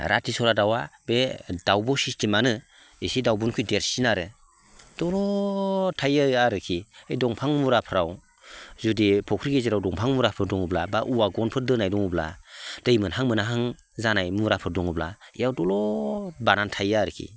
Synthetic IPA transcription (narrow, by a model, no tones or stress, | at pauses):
ɾʔa̰tʰisɔɾadawabedawbɔsistimanɯ | isidawbɔnkʰujdeɾsinaɾɯ | d̥ɔlɔtʰajaaɾɯkʰiejdɔŋpʰaŋmuɾapʰɾaw | zudipʰɔkʰɾiɡeziɾawdɔŋpʰaŋmuɾapʰɯɾdɔŋublabaʔuwaɡɔnpʰɯɾdɯnajdɔŋubla̰d̥ɯjmɯnɦaŋmɯnaɦaŋ | zanajmuɾapʰɯɾdɔŋubla̰ijawdɔlɔbanantʰajaɾɯkʰḭ